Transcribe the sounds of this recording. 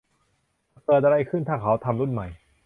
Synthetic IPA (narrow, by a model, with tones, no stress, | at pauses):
kɤː˨˩t̪̚ʔa˧ɾa˧jkʰɯ˥˩nt̪ʰaː˥˩kʰa˩˦˥wt̪ʰa˧mɾu˥˩nma˨˩j